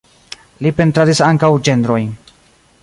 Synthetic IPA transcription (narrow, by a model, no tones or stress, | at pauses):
lipe̞ntɾadisaŋkawd͡ʒe̞ndɾo̞j